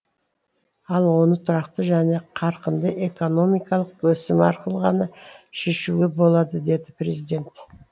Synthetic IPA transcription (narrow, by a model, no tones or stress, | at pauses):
ɑlˠwo̞nət̪ʰʊɾɑqt̪əʒæne̞qʰɑɾqənd̪əʔe̞ko̞no̞mijkɑlˠəqwɵsɪmɑ̰ɾqəlˠʁɑnəʃe̞ʃuɡʲe̞bolˠɑd̪əd̪e̞d̪ɪpɾe̞zijd̪e̞nt̪